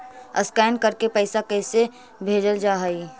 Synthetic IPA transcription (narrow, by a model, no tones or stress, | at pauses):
ə̰skɛːnkəɾkepəɪsakɛɪse | bʱeːd͡ʒəld͡ʒaːɦəi